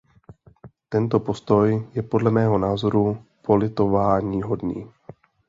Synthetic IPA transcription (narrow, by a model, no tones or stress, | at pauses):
t̪ɛnt̪o̞po̞st̪o̞jjɛpo̞dlɛmɛːɦo̞naːzo̞ɾupo̞lɪt̪o̞vaːɲiːɦo̞dnḭː